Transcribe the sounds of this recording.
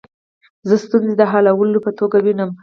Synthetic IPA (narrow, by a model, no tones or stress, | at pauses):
zəst̪unzed̪əɦalawəlopət̪oɡawinəm